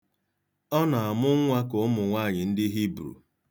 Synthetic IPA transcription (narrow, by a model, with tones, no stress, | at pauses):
ɔ˦na˨a˨mʊ˦ŋʷa˦ko˨˦mʊ˨ŋʷaː˦˨ɲɪ˨n̩˦dɪ˦ɦi˦bɾṵ˨